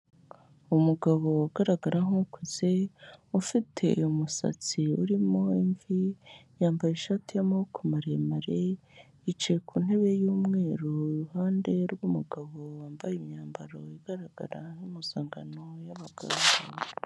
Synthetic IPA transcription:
umuɡaβo̞uɡaɾaɡaɾaɦukwizeufitʰe̞ḭjomusa̰t͡siuɾimo̞iɱvijaːmbajeʃatʰijamukʰomaɾemaɾe | it͡ʃekʰun̥e̞βe̞juːmŋe̞ːɾouhaːnde̞ɾɡumuɡaβowaːmbajimɲaːmbaɾo̞iɡ̥aɾaɡa̰ɾaŋimuzaːŋɡanojaβaɡ̥a̰ːɡa

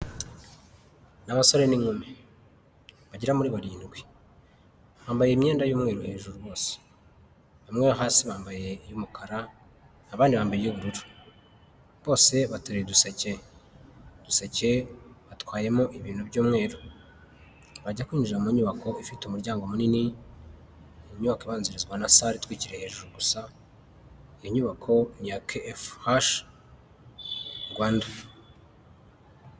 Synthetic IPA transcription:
naβaso̞ɾe̞niŋume | βaɟiɾamuɾiβaɾiːnɡwe | βaːmbaje̞mɲe̞ːndajuːmŋe̞ːɾuhe̞ːʒuɾuβo̞ːse̥ | βamŋeβahaːsiβaːmbaje̞jumukaɾa | aβaːndiβaːmbajejuβuɾuɾu | βo̞ːse̞βatuɾeedusece̞ | d̥usece̞βatwaːje̞moʔiβiːnhubɟoːmŋe̞ːɾo | βaɟakwiːɲd͡ʒiɾamuɲuβako̞ifitumuɾɟaːŋɡomunini | ɲuβakiβaːnziɾizɡwanasaɾitwiːciɾe̞he̞ːʒuɾuɡusa | ijoɲuβakʰo̞ɲakʰefhaʃ | ɡwaːnda

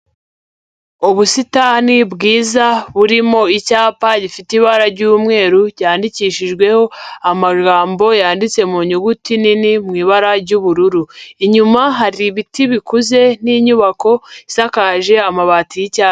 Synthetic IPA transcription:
uβusitaːnibɡiːzaβuɾimo̞icaːpaɟifitiβaɾaɾɟuːmŋe̞ːɾuɟaːndiciːʃiʒɡwe̞ho̞amaɡaːmbo̞jaːndit͡se̞muɲuɡutininimŋiːβaɾaɾɟuβuɾuɾuiɲumaɦaɾiβitiβikuze̞niːɲuβako̞isakaʒe̞amaβatijicaː

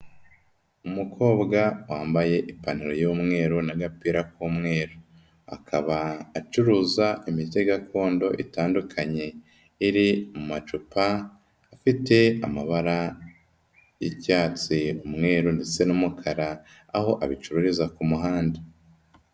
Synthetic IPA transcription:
umukʰo̞ːbɡawaːmbaje̞ʔipaniɾojuːmŋe̞ːɾunaɡapiːɾakuːmŋe̞ːɾo | a̰kʰaβaːt͡ʃuɾuzaimite̞ɡakʰo̞ːndo̞ʔitaːndukʰaɲe̞ | iɾimumat͡ʃupaː | fite̞amaβaɾa | jicaːt͡siumŋe̞ːɾunde̞t͡se̞numukʰaɾa | aho̞ʔaβit͡ʃuɾuɾizakumuɦaːnde

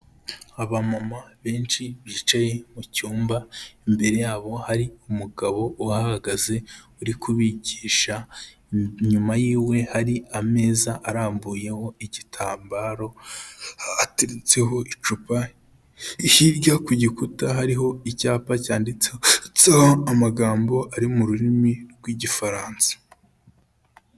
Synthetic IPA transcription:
aβamamaβe̞ːnt͡ʃiβiːt͡ʃaje̞mucuːmbaimbe̞ɾe̞jaːβo̞haɾiumuɡaβo̞ʔuahaaɡaze̞uɾikuβiɟiːʃa | ɲumajiːwe̞haɾiame̞ːzaʔːɾaːmbuːje̞ho̞iɟitʰaːmbaːɾo̞ | atiɾit͡se̞ɦo̞it͡ʃupa | ihiɾɟakuɟikutaɦaɾiɦo̞icaːpacaːndit͡sehot͡sehoamaɡaːmbo̞ʔaɾimuɾuɾimiɾɡwiːɟifaɾaːnsḁ

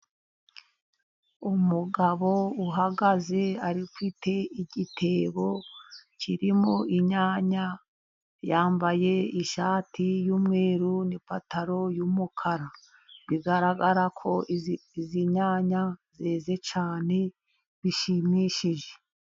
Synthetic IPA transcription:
umuɡaβo̞uɦaɡaze̞aɾiufitʰe̞iɟitʰe̞βo̞ciɾimoiɲaːɲa | jaːmbaje̞iʃaːtijuːmŋe̞ːɾunipataɾo̞jumukʰaɾa | βiɡaɾaɡaɾakʰo̞iziɲaːɲazeːze̞t͡ʃaːne̞ | βiʃimiʃiʒe̞̥

